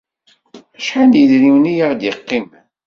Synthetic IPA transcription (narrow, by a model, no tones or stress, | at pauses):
æʃħanjiðniwnijaʁd̪jɪqːim